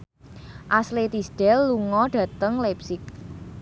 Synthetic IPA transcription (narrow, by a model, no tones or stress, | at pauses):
ʔaslet̪isd̥ɛlːuŋɔɖ̥ä̤t̪əŋlɛpsɪk̚